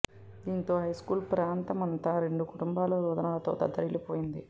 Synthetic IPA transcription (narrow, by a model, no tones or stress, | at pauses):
d̪iːnt̪o̞ːɦɐjskuːlpɾaːnt̪ɐmɐnt̪aːɾe̞ɳɖukuʈumbaːloːɾuːd̪ɐnaːlɐt̪o̞ːt̪ɐd̪ɐɾilipoːjind̪i